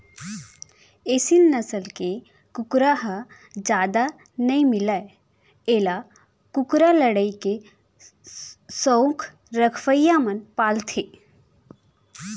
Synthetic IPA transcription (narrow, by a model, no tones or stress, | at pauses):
eːsinːəsəlke | kʊkɾaɦə | d͡ʒaːd̪a | nəĩmɪlae | eːla | kʊkɾaləɽəike | sowkʰ | ɾəkʰʋəjjamənpaːlt̪ʰe